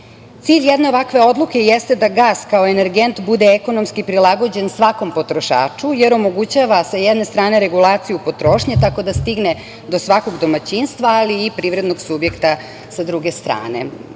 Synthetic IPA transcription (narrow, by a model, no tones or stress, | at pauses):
t̪siːʎjed̪ne̞o̞ʋakʋe̞o̞d̪lˠuke̞jest̪ed̪aɡaːskaoeneɾɡent̪bud̪eːko̞no̞mskipɾilˠaɡo̞d͡ʑe̞nsʋako̞mpo̞t̪ɾo̞ʃa̰ːt͡ʂujeɾo̞mo̞ɡut͡ɕaʋasajɛd̪ne̞st̪ɾaːne̞ɾeɡulˠaːt̪sijupo̞t̪ɾo̞ːʃɲet̪ako̞d̪ast̪iɡne | d̪o̞sʋako̞ɡd̪o̞mat͡ɕinst̪ʋaːliːpɾiːʋɾed̪no̞ɡsubje̞kt̪a | sad̪ɾuɡest̪ɾa̰ːne̞̰